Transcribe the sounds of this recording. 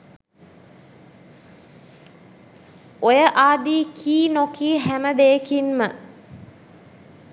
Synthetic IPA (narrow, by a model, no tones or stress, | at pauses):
ojəʔaːd̪iːkʰiːnokiːɦæməd̪eːkinmə